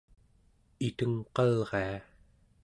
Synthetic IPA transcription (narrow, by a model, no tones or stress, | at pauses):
it̪əŋqɑlʁea